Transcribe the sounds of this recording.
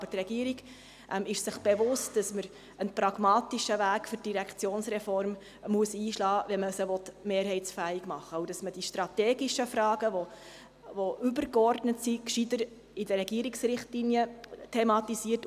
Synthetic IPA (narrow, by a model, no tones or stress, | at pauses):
bəɾtrɛɡiəɾiɡ | ʔɛmɪʃsɪχb̥ɛʋʊst̚d̥ɑsməɾ | ənpɾɑɡ̥mɑːtiʃəvæːkfʏɾd̥iɾɛkt͡sjoːnsɾɛfɔɾm | muəsiːʃlɑːʋɛməsəʋɔtmeːɾɦɛɪt͡sfæːiɡmɑχːəɔwdɑsməd̥iʃtɾɑteːɡiʃəfrɑːɡəʋo | voʔʉbəɾkɔrdnətsikʃidəɾ | ɪdəɾɛɡiəɾiksrɪχtlinjətʰɛmɑtisiːət